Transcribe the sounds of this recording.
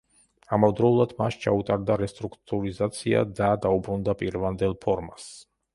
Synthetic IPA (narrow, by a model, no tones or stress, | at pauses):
amɔvd̪ɾɔulˠad̪̥maʃt͡ʃʰaut̪ʼaɾd̪aɾɛst̪ʼɾukʰt̪ʼuɾizat̪sʰia̰d̪ad̪aubɾund̪apʼiɾvand̪ɛlˠpʰɔɾmas